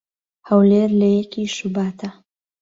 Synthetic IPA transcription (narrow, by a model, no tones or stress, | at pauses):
hɐwleːɾlɐjɛkiːʃubaːt̪ʰɐ